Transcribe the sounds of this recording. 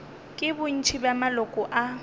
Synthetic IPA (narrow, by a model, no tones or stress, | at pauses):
kʼɪbʊn̩t͡ʃʰibamalɔkʼʊʔa